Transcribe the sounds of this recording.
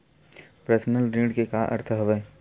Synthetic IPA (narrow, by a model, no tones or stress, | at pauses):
pɾəsnəlɾiːɖkekaʔɐ̰ɾt̪ʰəɦɐʋə